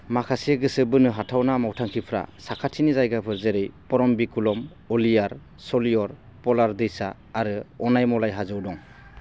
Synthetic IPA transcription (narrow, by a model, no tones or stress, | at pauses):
makʰasieɡɯsɯbɯnɯɦatʰawnamawtʰaŋkʰipʰɾa̰sakʰatʰinizajɡapʰɯɾzeɾɯjpɔɾɔmbikulɔm | ɔlijaɾ | sɔlijɔɾ | pɔlaɾd̪ɯjsaː | ɾɯɔnajmɔlajɦazɯwdɔŋ